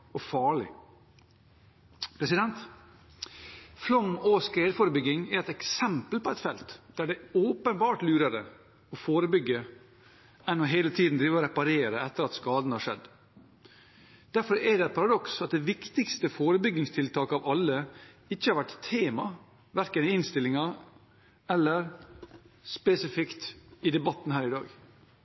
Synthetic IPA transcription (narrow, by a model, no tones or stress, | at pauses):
ɔfɑːɭɪ̰ | pʰɾɛsɪd̪ɛnt̪ | flɔmoskɾeːd̪foːɾəbʏɡːɪŋɛɾɛt̪ɛksɛmpəlpɔɛt̪fɛlt̪d̪̥æɖɛoːpənbɑːʈlʉːɾəɾə | ɔfoːɾəbʏɡːə | ɛnɔɦeːlət̪ʰiːd̪n̩d̪ɾiːʋɔɾɛpɑɾeːɾəɛt̪ːəɾɑt̪skɑːd̪n̩hɑʂɛ̰d̪ | d̪̥æɾfɔɾɛɖɛæɪpʰɑɾɑd̪ɔksɑt̪̚d̪ɛʋɪkt̪ɪkst̪əfoːɾəbʏɡːɪŋst̪ʰɪlt̪ʰɑːkəɑʋɑlːə | ɪçːəhɑɾʋæʈt̪ʰeːmɑ | ʋæɾkənɪɪnst̪ɪlɪŋɑ | ɛlːəɾ | spɛsɪfɪkt̪ɪd̪ɛbɑt̪ːn̩hæːɾɪd̪ɑ̰ːɡ